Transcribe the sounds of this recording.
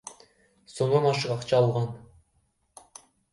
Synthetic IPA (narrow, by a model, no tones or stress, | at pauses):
soɴd̪ɑnɑʃɯqɑqt͡ʃʰɑːlˠʁɑn